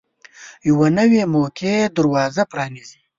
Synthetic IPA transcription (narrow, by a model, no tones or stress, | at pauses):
jawanəwemokʰed̪əɾwɑːzapɾɑːnizi